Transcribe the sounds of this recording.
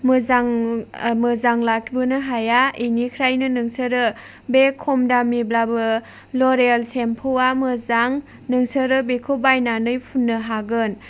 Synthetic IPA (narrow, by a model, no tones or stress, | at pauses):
mɯzaŋmɯzaŋlak̚ʰibɯnɯɦajainikʰɾajnɯnɯŋsəɾɯ | bekʰɔmdamiblabɯ | loɾelsempʰowamɯzaŋ | nɯŋsəɾɯbekʰobajnanɯjpʰunːɯɦaɡɯn